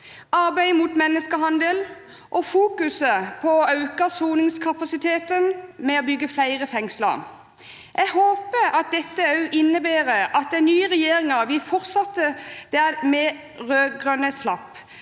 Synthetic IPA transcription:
ɑʁbæɪmut̪mɛnːəskəɦɑnd̪əl | ʔɔfuːkʉsəpʰɔɑʉkəsuːnɪŋskʰɑpɑsɪt̪ʰeːt̪ənmɛɔbʏɡːəflæɪʁəfɛŋslə̰ | ʔɛɡhoːpəɑt̪̚d̪ɛt̪ːəɑʉʔɪnːəbæːʁəɑt̪̚d̪æɪnyːəʁɛjeːɾɪŋɑʋɪfɔʁt̪sɑt̪ːəd̪̥æmɛ | ʁøːɡʁœnəslɑp

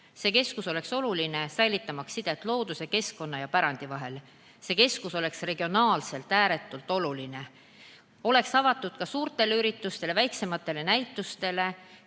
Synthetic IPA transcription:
se̞ke̞skuso̞le̞kso̞luline̞sæjlit̪ːˑɑmɑksːid̪̥et̪ːˑlo̞ːd̪̥use̞ke̞sko̞nːɑjɑpæɾɑnd̪̥ivɑɦe̞l | se̞ke̞skuso̞le̞ksre̞ɡ̥io̞nɑːlse̞lt̪æːɾe̞t̪ːˑult̪ːˑo̞luline̞ | o̞le̞ksɑvɑt̪ːˑud̪̥kɑsuːrt̪ˑe̞leyɾit̪ːˑust̪e̞le̞væjkse̞mɑt̪ːˑe̞le̞næjt̪ːˑust̪e̞le̞

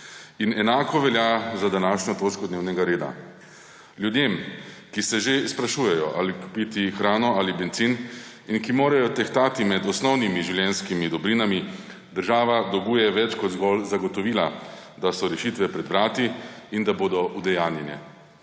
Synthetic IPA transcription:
inɛnaːkɔʋɛljazad̪anaːʃnʲɔt̪oːt͡ʃkɔd̪neːwnɛɡaɾeːd̪a̰ | ljud̪jemkisɛʒespɾaʃuːjɛjɔʔaliku̥pit̪ixɾaːnɔalibɛnt̪sin | inkimoːɾajɔt̪ɛxt̪aːt̪imɛd̪ɔsnɔwnimiʒiwljɛnskimid̪ɔbɾinami | d̪əɾʒaːʋad̪ɔɡuːjɛʋɛt͡ʃkɔd̪zɡɔlzaɡɔt̪ɔʋiːlad̪asɔɾɛʃit̪ʋɛpɾɛd̪bɾaːt̪iind̪aboːd̪ɔʔud̪ɛjaːnjɛnjɛ̰

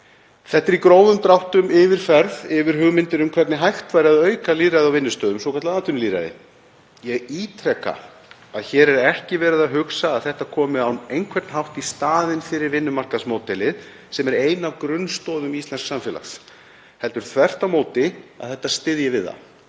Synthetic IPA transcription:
θɛht̪ːɛɾikɾoːwðʏmt̪ɾawht̪ʏmɪvɪɾ̥fɛɾðɪvɪɾ̥ɦʏɣmɪnt̪ɪnʏmkʰv̥ɛɾt̪nɪɦajht̪vajɾɪaðœːɥkaliːɾajðɪawvɪnːʏst̪œːðʏmsowkʰaɾt̪laðant̪ʏnliːɾa̰ðɪ̰ | jɛɣit̪ʰɾɛka̰ | aðçɛːɾɛɾɛhcɪvɛːɾɪðaɦʏksaːðθɛht̪akʰɔːmɪawnejŋkʰvɛɾt̪nɦawht̪ist̪aːðɪnfɪːɾɪɾvɪnːʏmar̥kasmoːwt̪ɛlɪð | sɛmɛɾeːjnavkɾʏnst̪ɔːðʏmist̪lɛnsksamfɛla̰xs | hɛlt̪ʏɾ̥kθʰvɛr̥t̪amoːwt̪ɪaðθɛht̪ːast̪ɪðjɪvɪðːa̰

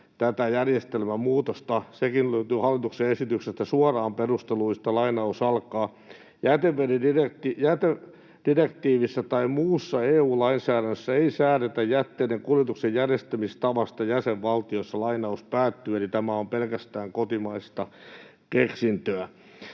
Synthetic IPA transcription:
t̪æt̪æjærjest̪elmæmuːt̪ost̪ɑsekinløyt̪yːhɑlːit̪ukseesit̪yksest̪æsuɑrɑːmperust̪eluist̪ɑlɑinɑusɑlkɑː | jæt̪eʋʋeɾidirekt̪ijæt̪e | d̥irekt̪iːʋisːɑt̪ɑimuːsːɑeːuːlɑinsæːɾænːøsːæeisæːɾet̪æjjæt̪ːeːneŋkuljet̪uksejjærjest̪æmist̪ɑʋɑst̪ɑjæseʋʋɑlt̪iosːɑlɑinɑuspæːt̪ːyelit̪æmæompelkæst̪æːŋkot̪imɑist̪ɑ | keksint̪øæ

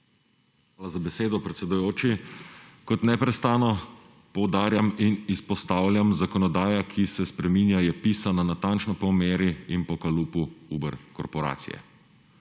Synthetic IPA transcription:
ʋaːlazabɛseːd̪ɔpɾɛt̪sɛd̪ujoːt͡ʃi | kɔt̪nɛpɾɛst̪aːnɔ | pɔwd̪aːɾjaminispɔst̪aːwlʲjamzakɔnɔd̪aːjakʰisɛspɾɛmiːnjajɛpiːsananat̪ant͡ʃnɔpɔmeːɾiinpɔkaluːpuubɛɾkɔ̰ɾpɔɾa̰ːt̪sḭjɛ̰

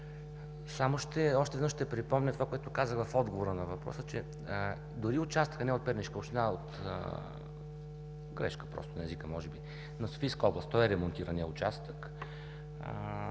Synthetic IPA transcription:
samoʃt̪ɛɔʃt̪ɛvnəʃt̪ɛpɾipɔmnʲət̪ovakoɛt̪ʊkazəxvɐfɔd̪ɡovoɾənɐvɐpɾɔ̰sət͡ʃɛ | d̪ʊɾiʊt͡ʃast̪ə̥kxnɛot̪̚pɛɾniʃkəoʃt̪ɛnaot̪ə̰ | ɡɾɛ̰ʃkə̥pɾɔ̰st̪ʊnɐɛzikəmɔʒɛbi | nɐso̥fiskəɔblˠəst̪ɔjɛɾɛmont̪iɾəniɛʊt͡ʃast̪ək

